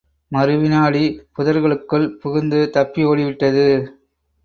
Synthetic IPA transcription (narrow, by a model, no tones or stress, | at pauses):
mɐɾɯʋɪnaːɭipʊðɐɾɣɐɭɯkːɯɭpʊɣɯnd̪ɯt̪ɐpːioːɽɪʋɪʈːɐðɯ